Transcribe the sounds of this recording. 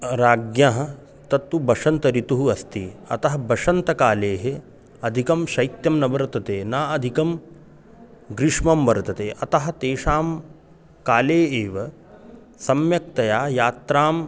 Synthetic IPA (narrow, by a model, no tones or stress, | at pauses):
ɾaːɡjaɦɐ̆ | t̪ɐt̪ːubɐʂɐnt̪ɐɾit̪uɦuɐst̪iɐ̰t̪ɐɦɐbɐʂɐnt̪ɐkaːleːɦe | ɐd̪ʱikɐmʃɐjt̪jɐmnɐbɐɾɐt̪ɐt̪eːnaːɐd̪ʱikɐm | ɡɾiʂmɐmʋɐɾɐt̪ɐt̪eːʔɐt̪ɐɦɐ̆t̪eːʂaːm | kaːleːeːʋɐ | sɐmjɐk̚t̪ɐjaːjaːt̪ɾaːm